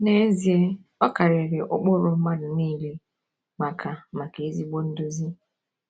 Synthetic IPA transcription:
ne˦zi˨e˦ | ɔ˦ka˨ɾe˨ɾe˨ʔo˦k͡po˦ɾo˦m̩˦ma˦dʊ˨niː˦le˦ | ma˨kʰa˨ma˨ke˨e˦zi˦ɡ͡bo˦n̩˦do˦zi˦

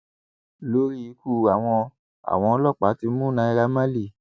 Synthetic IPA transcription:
lo˦ɾi˦i˨˦ku˦˨a˨w̃ɔ̃˧ | a̰˨w̃ɔ̃˧ɔ˧˦lɔ˦˨k͡pa˨˦ti˧˦mũ˦nã˧˦i˧ɾa˧˦mã˦li˦˨

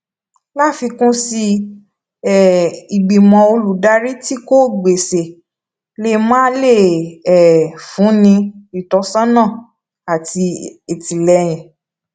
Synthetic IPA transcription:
la˦fi˧kũ˦si˧ | ɛ˨i˨ɡ͡bi˨mɔ̃˨o˧lu˨da˧ɾi˦ti˦ko˦ɡ͡be˨se˨ | le˦˧mãː˦le˦˨ɛ˨fũ˨˦nĩ˧i˨tɔ˨˧˦sã˦nã˦˨ | a˨ti˧e˨tĩ˨lɛ˧j̃ɛ̃˨

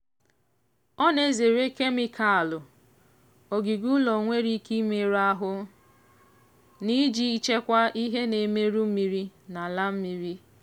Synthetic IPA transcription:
ɔ˦ne˦ze˨ɾe˦ke˦mi˦kʰa˨a˨lʊ˨ | o˨ɡi˨ɡu˦lɔ˨ŋʷe˦ɾi˦ki˦me˨ɾa˦ɦʊ˦ | ni˦d͡ʒi˦i˦t͡ʃe˦kʷa˦ʔi˦ɦe˦ne˨me˦ɾu˦m̩˦mi˨ɾi˦na˨la˦m̩˦mi˦ɾi˦

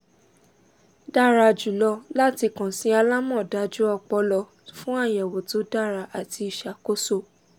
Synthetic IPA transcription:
da˦˨ɾa˧˨d͡ʒu˨lɔ˧la˦ti˧kɔ̃˨sĩ˨˦a˧la˦mɔ̃˦˨da˨˦d͡ʒu˦ɔ˧k͡pɔ˧˦lɔ˧ | fũ˦a˦˨jɛ˨wo˨to˨˦da˦˨ɾa˧ʔa˨ti˧i˨ʃa˨˦ko˦so˦˨

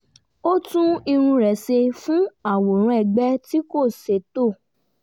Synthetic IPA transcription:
o˦tũ˦i˧ɾ̃ũ˧ɾɛ˨se˧fũ˦a˦˨wo˨ɾ̃ũ˨˦ɛ˧˨ɡ͡bɛ˦ti˦ko˦˨se˨˦to˦˨

